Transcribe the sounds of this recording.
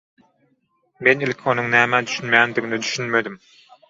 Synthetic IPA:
menelʲekʰonuŋnæːmæd̪yʃynmjæːnd̪iɣinid̪yʃynmed̪im

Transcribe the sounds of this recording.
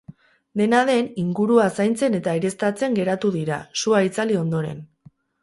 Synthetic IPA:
d̪e̞nað̞e̞niŋɡuɾuasajnt͡se̞ne̞t̪aiɾe̞st̪at͡se̞ŋɡe̞ɾat̪uðiɾa̰suait͡salio̞nd̪o̞ɾe̞̰n

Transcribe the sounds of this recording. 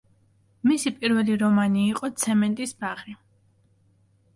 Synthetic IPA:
misipʼiɾvɛliɾɔmaniːqʼɔt̪sʰɛmɛnt̪ʼisbaʁɾi

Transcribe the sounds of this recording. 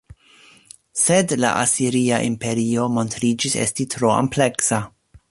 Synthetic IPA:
sedla̰ʔasiɾiaʔimpe̞ɾio̞mo̞ntɾid͡ʒisḛstitɾo̞a̰mple̞ksa

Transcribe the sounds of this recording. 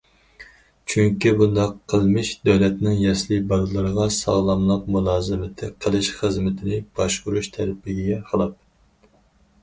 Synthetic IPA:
t͡ʃʰyŋkʲibund̪ɑqʰːəlˠmɨʃd̪øwlɛt̪nɪŋjɛslɨbɑlɨlˠɨɾəʁɑsɑ̰ʁlˠɑmlˠəq̚mulˠɑːzɨmɪt̪ʰɪqʰəlˠɨʃχəzmɪt̪ʰɪnɪb̥ɑʃuɾuʃt̪ʰɛɾɪpʰɪɡʲiɡʲɛqʰəlˠɨp̚

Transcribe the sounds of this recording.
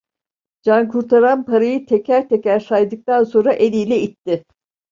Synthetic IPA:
d͡ʒankʰuɾt̪ʰaɾanpʰaɾajɯt̪ʰecʰæɾt̪ʰecæɾsajd̪ɯk̚t̪anso̞nɾaʔelʲijlʲɛit̪ːɪ

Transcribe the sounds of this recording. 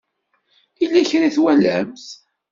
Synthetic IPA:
ilːæçɾiθwælæmθ

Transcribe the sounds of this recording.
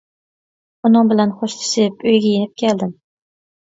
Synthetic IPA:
ʊnɒmbɪlanχoʃt̪ʰɪ̥ʃɪpojɡʲajɪnɪp̚kʲʰeld̪ɪm

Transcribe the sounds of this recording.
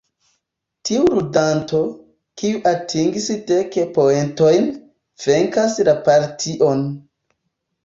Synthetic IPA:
tʰiuɾudanto̞ | kiuʔatʰiŋɡisteke̞poe̞nto̞jn | v̥e̞ŋkaslapaɾtʰiʔon

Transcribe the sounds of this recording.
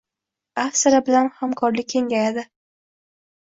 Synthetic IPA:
afsaɾabɪlanhamkʰɒɾlɪkʲʰːe̞ŋɡʲajad̪ɪ

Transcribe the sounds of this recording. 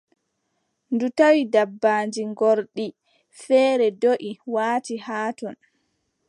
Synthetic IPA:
ndutawidabːaːnd͡ʒiŋɡoɾɗi | fɛːɾɛdoʔiwaːtihaːtɔn

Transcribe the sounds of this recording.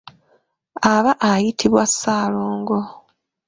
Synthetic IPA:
aβaʔajitʰiβwasːaːloːŋɡo̞

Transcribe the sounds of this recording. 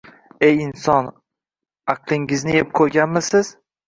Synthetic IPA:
ejɪnsɒn | ɑqlˠɪŋɪznɪep̚kʰoɾɡʲanmɪsɪz̥

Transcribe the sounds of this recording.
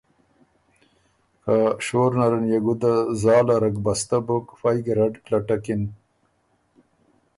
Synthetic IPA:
kaʂoːɾnaɾɐnjeɡud̪azɑːlaɾɐkbɐst̪abokfajɡɾaɖklaʈakin

